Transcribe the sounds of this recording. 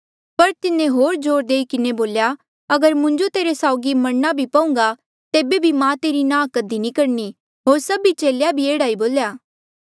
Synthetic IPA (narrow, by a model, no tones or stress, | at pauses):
pɐɾt̪ɪnẽɦoːɾd͡ʒoːɾd̪eːikɪneboːlja | ɐɡəɾmʊ̃ɲd͡ʒot̪eːɾesaːʊɡimɐɽnabʱipɐʊ̃ŋ̆ɡa | t̪eːbebʱimãt̪eːɾinãːkɐd̪inĩkɐɾni | ɦoːɾsɐbit͡ʃeːljabʱieːɽaːiboːljaː